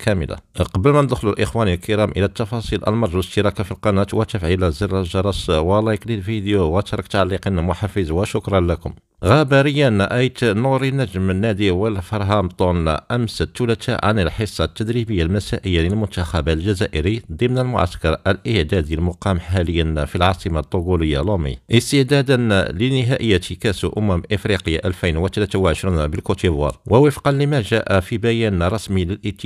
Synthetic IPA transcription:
kʰæmə̰la̰qɑbəlmænəd̪xlulʔəxwænilkəɾæmʔəlæt̪ːɑfɑsˤilʔə̰lmɑɾˤʒəʃt̪əɾˤɑkafilqɑnæt̪wæt̪æfʕilæziɾˤːɑʒɑɾˤɑswəlɑjklilfid̪jowæt̪ɑɾˤɑkt̪ʕalːiqinmʊħɑfizwəʃʊkɾˤɑnlækʊm | ɣæbæɾəjːənʔæjt̪nuɾinːæʒəmənːæd̪iwəlfɑɾˤɦɑmt̪ˤun̰ʔæmsət̪ːulæt̪ʰa̰ʕa̰nəlħəsˤːɑt̪ːæd̪ɾibəjːalmæsæʔəjːaləlmʊnt̪axæbalʒæzæʔəɾid̪ˤimnəlmʊ̰ʕa̰skɑɾˤəlʔəʕd̪æd̪əlmʊqɑmħhæləjːənfilʕɑsˤəmat̪ˤːoɡuləjːa̰lomḭʔəst̪əʕd̪æd̪ənlənəɦæʔəjːat̪ikæsʔʊmæmʔəfɾiqəjːaʔælfijnwət̪ælæt̪awʕəʃɾunbəlkot̪ivɑ̰ɾˤwʔəwəfqɑnləmæʒæʔæfibæjænɾˤɑsmiləlʔət̪ː

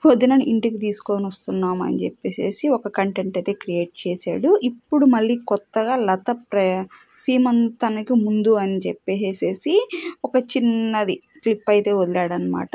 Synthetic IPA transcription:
od̪inɐnʔiɳʈikit̪iːsu̥koːnʋɐst̪unːaːmɐ̰nit͡ʃepːe̞ːse̞̰ːsiɔkɐkɐɳʈeɳʈɐjt̪e̞ːkɾije̞ːʈ̚t͡ʃeːsa̰ːɽuʔipːuɽumɐɭːiːkɔt̪ːɐɡaːlɐt̪ɐpɾɐ | siːmɐnt̪ɐnɐkimund̪uɐnit͡ʃepːe̞ːse̞ːsiɔkɐt͡ʃinːɐd̪i | t̪ɾipːɐjt̪e̞ːod̪ilaːɽɐnːɐma̰ːʈɐ

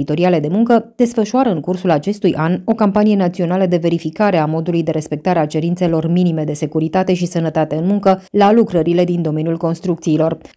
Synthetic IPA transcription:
it̪o̞ɾiale̞d̪e̞muŋkəd̪̥e̞sfəʃuaɾəɨŋkursulat͡ʃe̞st̪ujʔano̞kampanije̞nat̪sio̞naləd̪e̞ve̞ɾifikaɾe̞amo̞d̪ulujd̪e̞ɾe̞spe̞k̚t̪aɾeat͡ʃe̞ɾint̪se̞lo̞rminime̞d̪e̞se̞kuɾit̪at̪e̞ʃisənət̪at̪e̞ɨnmuŋkəlalukɾəɾile̞d̪ind̪o̞me̞njulko̞nst̪ɾukt̪siːlo̞r

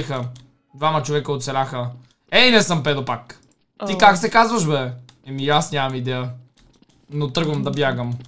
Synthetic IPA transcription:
ixə | d̪vamɐt͡ʃovɛkəot̪sɛlʲaxə | ɛinɛsəmpɛd̪opak̪ | ikaksɛkazvɐʃbɛɛmiasnɲʲamɐmid̪ɛə | not̪ɤɡvɐmd̪ɐbjaɡəm

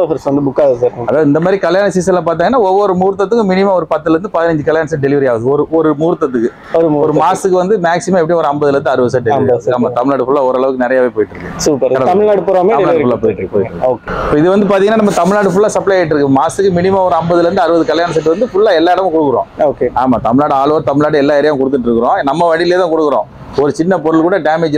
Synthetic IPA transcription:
ofɐɾsʋɐnd̪ɯbʊkːaːðɯsaːɾɐðaːðɐɪnd̪ɐmad̪ɾikɐljaːnɐsiːsɐlãːpaːɾt̪̬aːŋɡɐnːaːɔʋːɔɾɯmuːɾt̪ːɐt̪ːɯkːɯmɪnɪmaːɔɾɯpɐt̪ːɯlɛɾɯnd̪ɯpɐðɪnɐɲd͡ʒɯkɐljaːnɐsɐɖɛlɪʋɐɾijaːʋɐðɯɔɾɯɔɾɯmuːɾt̪ːɐt̪̬ːɯkːɯ | ɔɾɯːɔɾɯmaːsɯkːɯʋɐnd̪ɯmaːksɪmãːɛp̬ːɽiɔɾɯɐmbɐðɪlɐɾɯnd̪ɯɐɾɯʋɐðsɐʈ̚ɖɛlɪɐɐkːaːmaːt̪ɐmɪɭnaːʈɯfʊɭːaːɔɾɯɐɭɐʋɯkːɯnɪɾɐjaːʋeːpoːjɪʈːɾɯkːɐ̰suːpɐɾɐɽɐt̪ɐmɪɭnaːɽɯpɔɾɐmeːɐɭnaːfɯɭːaːpoːɪʈːkːpoːjɪʈːɾɯkːoːkepːoːɪðɯʋɐnd̪ɯpaːɾt̪iŋɡnːaːnɐmːɐt̪ɐmɪɭnaːʈɯfʊɭːaːsɐplɐjaɪʈ̬ːɪɾɯkːmaːsɯkːɯmɪnɪmaːɔɾɯɐmbɐðɯlɐɾɯnd̪ɯɐɾɯʋɐðɯkɐljaːnɐs̬ɐʈ̬ːɯʋɐnd̪ɯfʊɭːaːɛlːaːɪɽɐmʊ̃kɔɽɯkːɯɾõ̰ːoːkeaːmaːt̪ɐmɪɭnaːɽɯaːɭʋoːɾt̪ɐmɪɭnaːʈɯɛlːaːɐɾɪjaːm̃kɔɽɯt̪ːɯʈːɪɾɯkːɯɾõːnɐmːɐʋɐɽɪleːt̪ãːkɔɽɯkːɯɾõ̰ː | ɔɾɯt͡ʃɪnːɐpɔɾɯɭkuːɽɐɖaːmed͡ʒ

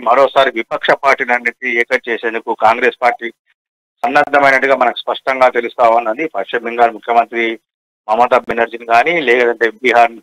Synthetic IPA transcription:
mɐɾoːsaːɾiʋipɐkʂɐpaːɾʈiːlɐnːet̪iɛːkɐt͡ʃeːseːnd̪ukukaːŋɡɾeːspaːɾʈiː | sɐnːɐd̪ʱːɐmɐjnɐʈːuɡaːmɐnɐki̥spɐʂʈɐŋɡaːt̪elust̪aːʋɐnːɐnd̪ipʰɐɾʂɐmiŋɡaːɾmukʰjɐmɐnt̪ɾi | mɐmɐt̪ɐbenɐɾd͡ʒinɡaːnilɛːkɐd̪ɐɳʈe̞ːbiɦaːɾn

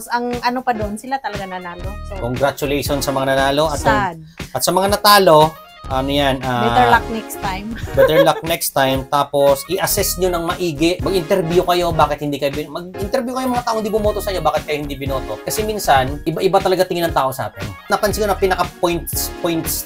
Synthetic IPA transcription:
sɐŋʔɐnopɐd̪onsɪlat̪ɐlɐɡanɐnaːlokoŋɡɾat͡ʃʊlejʃonsɐmɐŋanɐnaːlo̞ʔɐt̪ɐ | ɐt̪sɐmɐŋanɐt̪aːlo̞ | ʔɐnojanabɛɛɹlak̚nɛkst̪ajmbɛt̪ɛɹlak̚nɛkst̪ajmt̪aːpo̞sʔɪʔɐsɛsɲonɐŋmɐʔiːɡɪʔmɐɡʔɪnt̪ɛɾbjukɐjo̞baːkɪt̪hɪnd̪iːkɐjobɪmɐɡ̚ʔɪnt̪ɛɾbjukɐjoŋmɐŋat̪aːʔoŋɪnd̪ibʊmoːt̪osɐʔɪɲːobaːkɪt̪̚kɐjo̞hɪnd̪ibɪnoːt̪oʔkɐsɛminsɐnʔɪbaʔɪbat̪ɐlɐɡat̪ɪŋɪnɐŋt̪aːʔo̞sɐʔa̰ːt̪ɛnnɐpɐnsɪŋɲoɐpinɐkɐpojnt̪spojnt̪s

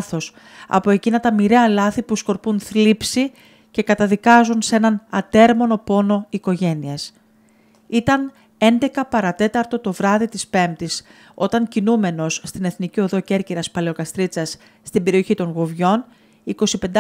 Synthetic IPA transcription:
θo̞s | ɐ̰po̞e̞cinɐt̪ɐmiɾeɐlɐθipusko̞ɾpunθlipsi | ce̞kɐt̪ɐðikɐzunsee̞nɐnɐt̪e̞ɾmo̞no̞po̞no̞iko̞ʝe̞nies | it̪ɐn | e̞nd̪e̞kɐpɐɾɐt̪e̞t̪ɐɾt̪o̞t̪o̞vɾɐðit̪ispe̞mt̪is | o̞t̪ɐɲcinume̞no̞sːt̪ine̞θnicio̞ðo̞ce̞ɾciɾɐspɐle̞o̞kɐst̪ɾit͡sɐsː | t̪imbe̞ɾio̞çit̪o̞ŋɣuvʝo̞n | iko̞sipe̞nd̪

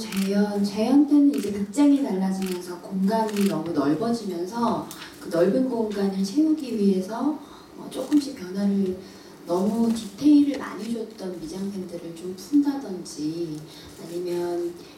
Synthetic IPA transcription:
t͡ɕejʌnt͡ɕejʌnt͈enɯid͡ʑe̞kɯk̚t͡ɕ͈aŋenaɭːad͡ʑimjʌnsʰʌkoŋɡaminʌmunʌɭbʌd͡ʑimjʌnsʰʌkɯnʌɭɡɯnɡoŋɡanɯɭt͡ɕʰejuɡiɥiɦe̞sʰʌ̰ː | t͡ɕ͈ok͈ɯmɕ͈ik̚pjʌnwaɾɯɭ | nʌmutitʰe̞iɾɯɭma̰ɲid͡ʑʌt̚t͈ʌnmid͡ʑaŋsʰendeɾɯɭt͡ɕompʰundadʌnd͡ʑi | aɲimjʌn

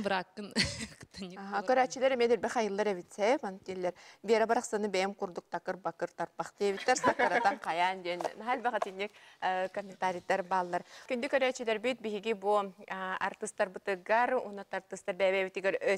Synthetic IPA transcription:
bɾakːɯnt̪ɯnɦakœɾæːt͡ʃilʲɛɾɛmɛd̪iɾbɛχajɯlˠːaɾɛβit̪sɛpanɯt̪ːilʲːɛɾbiɛɾabaɾaχsanɯbɛjɛmquɾd̪uk̚t̪akɯɾbakɯɾt̪aɾpaχt̪iɛβit̪ːaɾsaɯɾat̪anqʰɑjand͡ʒɛnnaɦalʲbaʁat̪inʲːik̚kɔmʲːent̪aɾʲit̪aɾbaːlˠːaɾkynd̪ykœɾæːt͡ʃilɛɾbit̪̚biɦiɡibua̰ɾt̪ɯst̪aɾbɯt̪ɯɡaɾṵnat̪aɾt̪ːɯst̪aɾbɛβɛβit̪iɡɛɾø

